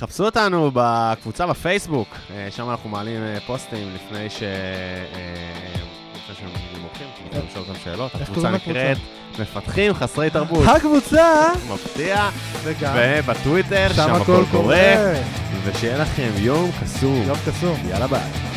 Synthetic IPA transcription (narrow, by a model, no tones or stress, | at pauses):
tχapsuotanubakvut͡sabefejsbuk | eʃamanaχnumaːlimepo̞stimlifnejʃee | lifnejʃeemɡimoχimnimsoot̪amʃe̞ːlo̞t̪hakvut͡saikʁet̪ | me̞fatχimχasʁejtaʁbuakvut͡samavtiaveɡvebetwiteʁʃaamakolkoʁe | veʃejelaχe̞mjo̞mkasumjomkasumja̰laba̰j